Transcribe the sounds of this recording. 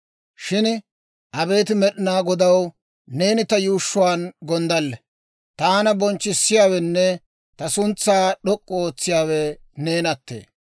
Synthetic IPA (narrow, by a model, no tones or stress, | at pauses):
ʃɪn | ʔɐbe̞ːt̪ɪmɛɗɪnaːɡɔd̪ɐw | ne̞ːnɪt̪ɐjuːʃːʊwaːnɡɔnd̪ɐlːɛ | t̪aːnɐbɔnt͡ʃːɪsːɪjaːwɛnːɛ | t̪ɐsʊnt͡sːaːɗɔkʼːɔoːt͡sːɪjaːwɛ | ne̞ːnɐt̪ːḛː